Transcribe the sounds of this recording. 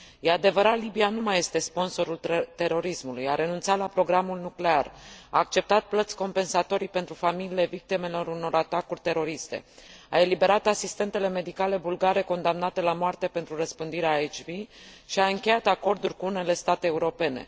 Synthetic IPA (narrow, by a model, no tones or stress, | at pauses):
jead̪e̞vəɾat̪libianumaje̞st̪e̞spo̞nso̞ɾult̪e̞ɾo̞ɾismulujaɾe̞nunt̪salapɾo̞ɡɾamulnukle̞ara̰ːk̚t͡ʃe̞p̚t̪at̪̚plət̪sʲko̞mpe̞nsat̪o̞ɾipe̞nt̪ɾufamilile̞vik̚t̪ime̞lo̞ɾuno̞ɾat̪akurʲt̪e̞ɾo̞ɾist̪e̞̰ae̞libe̞ɾat̪asist̪e̞nt̪e̞le̞me̞d̪ikale̞bulɡaɾe̞ko̞nd̪amnat̪e̞lamoart̪e̞pe̞nt̪ɾurəspɨnd̪iɾeaet͡ʃviʃiaɨŋkʲejat̪ako̞rd̪urʲkuune̞le̞st̪at̪eːuɾo̞pe̞ne̞̰